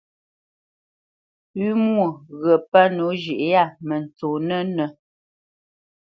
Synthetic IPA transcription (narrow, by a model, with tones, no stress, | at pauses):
ʉ˦mwo˨ɣə˨pə˦no˨˦d͡ʒi˨ʔja˦˨mə˨n˨t͡soː˨nə˦nə˨